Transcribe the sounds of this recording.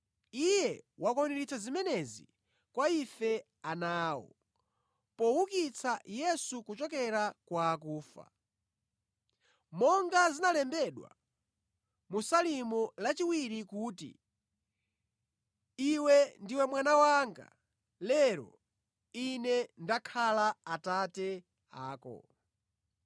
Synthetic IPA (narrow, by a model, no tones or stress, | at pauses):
ijɛwakɔniɾit͡sʰazimɛnɛzḭ | kwaifɛ | anaːwɔ̰ | pɔwukit͡sʰajɛsukut͡ʃɔkɛɾakwaːkuːfa̰ | mɔŋɡazinalɛmbɛɗwa̰ | musalimulat͡ʃiwiɾikuːtḭ | iwɛndiwɛmwanawaːŋɡa̰ | lɛɾɔ̰ | inɛndakʰalaatatɛ | aːkɔ̰